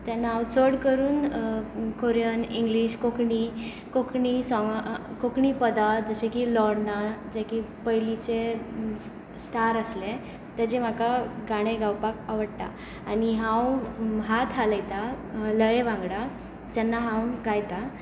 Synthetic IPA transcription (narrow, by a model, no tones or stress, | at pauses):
t̪anːaawt͡səɽkəɾuːn | koɾijəniŋɡliɕkokɳi | kokʰɳisɔŋɡkokɳipəd̪ad͡zəsẽkilɔɽnad͡zekipəjlit͡ɕe | st̪ʰaɾəsle | t̪ad͡ʑem̤akaɡaɽ̃ẽɡawpakaʋəɽt̪a̰ː | ɽ̃iɦãwɦat̪ʰɦaləjt̪a | ləjeʋãŋɡɽa | d͡ʑanːaɦãwɡajt̪a